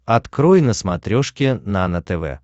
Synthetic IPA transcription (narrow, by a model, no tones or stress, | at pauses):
ɐt̪kɾojnəsmat̪ɾʲoʂkʲɪnanət̪ɛvɛ̰